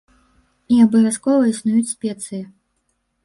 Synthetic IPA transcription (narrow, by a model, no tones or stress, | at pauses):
iabɨvʲaskɔvɐisnujut͡sʲsʲpʲɛt̪sɨji